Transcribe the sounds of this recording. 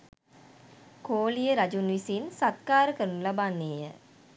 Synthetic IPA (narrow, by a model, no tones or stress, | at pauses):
koːlijəɾad͡ʒunʋisinsat̪̚kaːɾəkəɾunulabanːeːjə